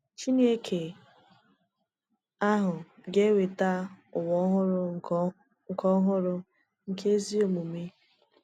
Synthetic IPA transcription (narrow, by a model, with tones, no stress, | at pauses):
t͡ʃi˦ne˦kʰe˨ | a˦ɦʊ˨ɡe˦we˨ta˦ʊ˨wɔ˦ɦʊ˦ɾʊ˦˨ | ŋ̩˨kɔ˦ɦʊ˦ɾʊ˦ | ŋ̩˨kʰe˦zi˦o˨mu˨mi˦